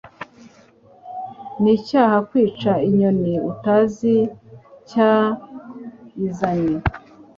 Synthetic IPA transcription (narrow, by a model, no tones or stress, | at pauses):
nicaːhakwiːt͡ʃaiɲoniutazica | izaɲe